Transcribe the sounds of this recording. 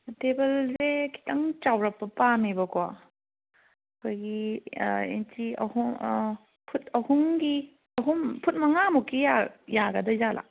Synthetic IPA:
tebɐlzekʰi̥tɐŋt͡ʃawɾɐpːɐpamibɐkwa̰ | ɐkʰojɡi | ḛntʰiɐ̰hu | pʰutʰɐhuŋɡi | ɐɦumpʰut̚mɐŋamukːijajaɡɐdɐzalʔa̰

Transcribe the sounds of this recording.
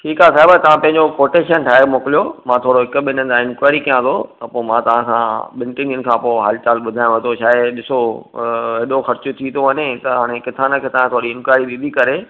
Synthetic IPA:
ʈʰiːkɦasaːɪbat̪ɐʋ̤ãpɐ̃ɦɪ̃ɲd͡ʑokoːʈeːʃənʈʰaːɦmʊkɪlijomãt̪ʰoːɽoɦɪkʊɓɪnənɪ̆aɪ̃nkwaːɪɾikijãt̪ʰot̪ɐpoːmãt̪ɐʋ̤ãkãɓɪ̃ɳʈɪnijənɪ̆kʰãːpoːɦaːlɪt͡ɕaːlɓʊd̪ʱaːj̃õʋɐt̪ʰoʃaːɪɗɪso | eɗoxɐɾt͡ɕʊt̪ʰit̪ʰoɦɐɲẽt̪ɐɦaːɽ̃ekɪt̪ʰaːnəkʰeːt̪ɐʋ̤ãt̪ʰoːɾiɪ̃nkwaːɪɾid̪ɪd̪ʱikɐɾe

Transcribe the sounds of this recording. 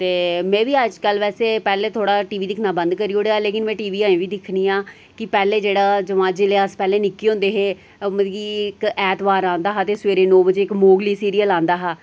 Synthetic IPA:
t̪eːmɛ̃ːʋiːəd͡ʒkəlʋɛːseːpɛːleːt̪ʰoːɽaːʈiːʋiːd̪ɪkʰnaːbə̃nd̪kəɾiːoːɽeːaːleːkɪnmɛ̃ːʈiːʋiːaːĩːʋiːd̪ɪkʰniːãː | kɪpɛːleːd͡ʒeːɽaːd͡ʒəʋãːd͡ʒɪleːaspɛːleːnɪkːiːõnd̪eːɦeː | məɡikɛːt̪ʋaːɾãːnd̪aːɦaːt̪eːsʋeːɾeːnoːbəd͡ʒeːɪkmoːɡliːsiːɾijəlãːnd̪aːɦaː

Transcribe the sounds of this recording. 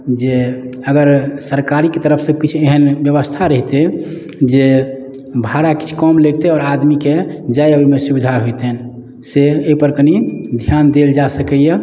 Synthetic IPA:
d͡ʒeəɡəɾsəɾkaɾiket̪əɾəpʰsəb̚kit͡ʃʰueɦənbjəβəst̪ʰaɾəɦit̪e | d͡ʒe | bʱaɾaki̥t͡ʃʰu̥kɔmleɡt̪eɔːɾad̪miked͡ʒajəbimesubid̪ʱaɦojt̪en | seeipəɾkənid̪ʱjand̪eld͡ʒasəkəje

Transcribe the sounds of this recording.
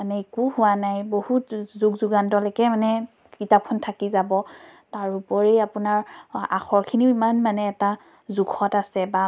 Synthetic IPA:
anɛekuhʊwanajbohutzukzuɡantɔlɔkɛmanɛ | kitap̚ʰːɔntʰakizabɔtaɹupɔɹɛapunaɹa̰xʰɔɹkʰiniimanmanɛːta | zukʰɔtasɛba

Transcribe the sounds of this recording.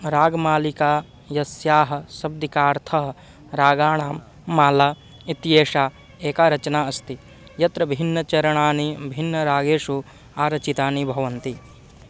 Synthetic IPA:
ɾaːɡmaːlikaː | jɐsjaːɦɐ̆sɐb̚d̪ikaːɾt̪ʰɐɦɐ | ɾaːɡaːɳ̃aːmː | aːlaː | it̪jeːʃaː | eːkaːɾɐt͡ʃɐnaːɐst̪i | jɐt̪ɾɐbʱinːɐt͡ʃɐɾɐɳaːnibʱinːɐɾaːɡeːʂu | aːɾɐt͡ʃit̪aːnibʱɐʋɐnt̪i

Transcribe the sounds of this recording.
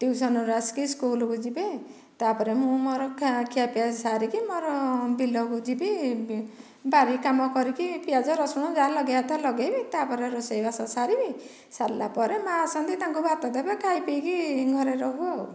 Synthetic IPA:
t̪iwsɔnuɾaskiskulɔkud͡ʒibe | t̪apɔɾemũmɔɾɔkʰkʰijapiasaɾikimɔɾɔbilɔkud͡ʒibi | baɾikamɔkɔɾikipijad͡ʒɔɾɔsɔɽ̃ɔd͡ʒalɔɡejat̪alɔɡejbit̪apɔɾeɾɔsejbasɔsaɾibi | saɾlapɔɾemãsɔnt̪it̪aŋkubʱat̪ɔd̪abakʰajpijkiɡʱɔɾeɾɔɦuaw

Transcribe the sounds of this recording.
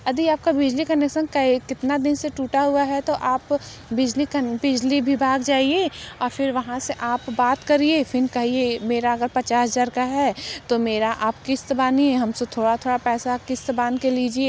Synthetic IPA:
ɐd̪iaːp̚kabɪd͡ʒlikɐnekʃənkɐikɪt̪nad̪ɪnseʈuːʈaɦuaɦɛt̪oʔaːp | bɪd͡ʒlikɐbɪd͡ʒlibʱibʱaːɡd͡ʒaːieːɔːɾfʰɪɾʋɐɦãseʔaːpbaːt̪kɐɾieːfʰɪnkɐɦiemeːɾaɐɡəɾpɐt͡ʃaːsɦɐzaːɾkaɦɛːt̪omeːɾaʔaːpkɪst̪baːniɛɦɐmset̪ʰoːɽat̪ʰoːɽapɛːsakɪst̪baːnkeliːd͡ʒieː

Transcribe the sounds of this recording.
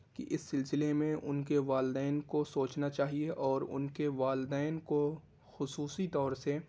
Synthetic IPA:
kiʔɪsːɪlsɪlemẽʔʊnkeʋaːld̪ɛːnkosoːt͡ʃnat͡ʃaːɦieʔɔːɾʊ̰nkeʋaːld̪ɛːnko | xʊsuːsit̪ɔːɾse

